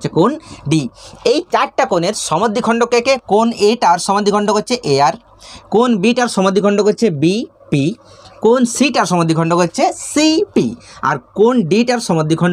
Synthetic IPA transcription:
t͡ɕʰekonɖiejt͡ɕaʈʈakoneɾʃɔmod̪ʱːikʰɔɳɖokekekoneʈaɾʃɔmod̪ʱːikʰɔɳɖokotːɕʰeʔeaɾ | konbiʈaɾʃɔmod̪ːikʰɔɳɖokot͡ɕʰebi | pi | konsiʈaɾʃɔmod̪ːikʰɔɳɖokoːt͡ɕʰesipḭa̰ɾkonɖiʈaɾʃɔmod̪ːikʰɔɳɖo

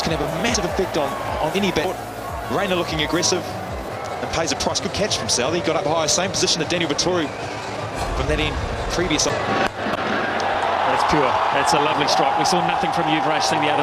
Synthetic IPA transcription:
kʰɨ̃nɨvəmæsɨvɨfɛk̚tñ̩ | n̩ɛnibɛt̚ | ɹẽɪ̃nəlʊkɪ̃ŋɨɡɹɛsɪv | nə̃npʰeɪzɨpʰɹ̥aɪsɡ̥ʊd̚kʰæt͡ʃfɹə̃m̩sɛlˠəiɡɑɾʌphaɪə̥sẽɪ̃mpʰəzɪʃə̃n̩ðɨd̥ɛ̃nilˠvɨtʰɔɹi | fɹʌ̃mðɨɾĩn | pʰɹ̥iviɨs | ðætspʰj̥ɔɹðætsəlʌvlistɹ̥aɪkwisɔnʌθɪ̃ŋfɹʌ̃mjʉvɹæʃsɪ̃ŋðiʌðə

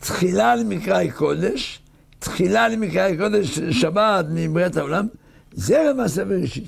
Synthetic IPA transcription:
t̪χilalemikʁajkod̪eʃ | t̪χilalemikʁajko̞d̪eʃʃabat̪mibʁat̪haolam | zelemas̬aveʁeʃit̪

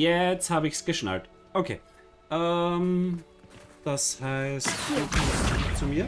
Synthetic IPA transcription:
jɛt͡sthaːbəɪçsɡ̥əʃna̰lt | ʔokʰḛː | ʔəm | d̥ashaɪstːkʰɔst͡sumiːɐ

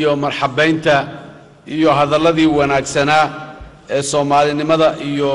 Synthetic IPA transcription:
ɔmɐrħɑbɛjnt̪ʰɐ | ʔijɔɦɐðɐlɐðiːwɑnaːɡsɐnaː | ɛːsɔːmaːlɪnɪmɐðɐʔijɔ

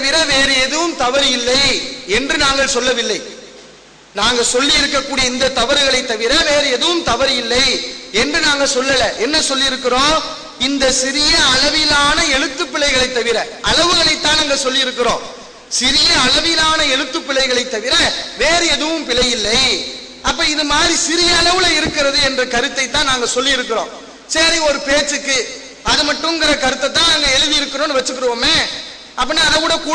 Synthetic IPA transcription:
ɐʋɪɾɐʋeːɾɯɛðɯʋɯmt̪ɐʋɐɾɪlːɐɪɛndrɯnaːŋɡɐɭsɔlːɐʋɪlːɐɪ | naːŋɡɐsɔlːɪjɪɾɯkːɐkːuːɽijɐɪnd̪ɐt̪ːɐʋɐɾɣɐɭɐɪt̪ːɐʋɪɾɐʋeːɾɯɛðɯʋɯmt̪ɐʋɐɾjɪlːɐɪɛndrɯnaːŋɡɐsɔlːɐlɐʔɛnːɐsɔlːɪjɪɾɯkːɪɾõː | ɪnd̪ɐsɪɾɪjɐɐlɐʋɪlaːnɐɛɻɯt̪ːɯpːɪɭɐɪɣɐɭɐɪt̪ːɐʋɪɾɐʔɐlɐʋɯɣɐɭɐɪt̪ːaːnɐŋɡɐsɔlːɪjɪɾɯkːɪɾõː | sɪɾɪjɐɐɭɐʋɪlaːnɐɛɻɯt̪ːɯpːɪɭːɐɪɣɐɭɐɪt̪ːɐʋɪɾɐʋeːɾɯɛðɯʋɯmpɪɭɐjɪlːɐɪ | ɐpːɐːɪðɯmaːd̪ɾisɪɾɪjɐːɭɐʋɯlɐɪɾɯkːɪɾɐðɯɛndrɐkɐɾɯt̪ːɐɪt̪ːãːnaːŋɡɐsɔlːɪjɪɾɯkːɪɾõ̰ː | sɐɾiɔɾɯpeːt͡ʃːɯkːɯ | ɐðɯmɐʈːɯ̃ŋɡɪɾɐkɐɾɯt̪ːɐt̪̬ːãːnaːŋɡɐɛɻɯðɪɪɾɯkːɐɾõːnɯʋɐt͡ʃːɯkːɯɾɯʋoːmeː | ʔɐpːɐːnːaːɐlɐʋɯɽɐkuː

